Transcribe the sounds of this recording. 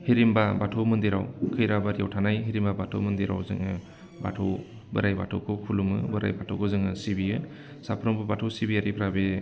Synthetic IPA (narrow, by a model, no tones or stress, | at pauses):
hiɾimbabatʰɔwmɯndiɾa̰wkʰɯjɾabaɾija̰wtʰanajɦiɾimbabatʰɔ̰wmɯndiɾa̰wzɯ̰ŋɯ | ba̰tʰow | bɯɾajba̰tʰɔwkʰɯwkʰulumɯbɯɾa̰jbatʰɔ̰wkʰɯzɯŋɯsibijɯ | sapʰɾɔmbɯbatʰɔwsibiaɾipʰɾabe